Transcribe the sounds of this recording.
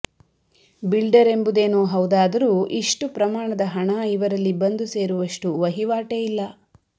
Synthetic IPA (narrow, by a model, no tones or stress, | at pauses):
bilɖɐɾe̞mbud̪eːnoːɦɐwd̪aːd̪ɐɾuːʔiʂʈupɾɐmaːɳɐd̪ɐɦɐɳɐiʋɐɾɐlːibɐnd̪use̞ːɾuʋɐʂʈuʋɐɦiʋaːʈejilːɐ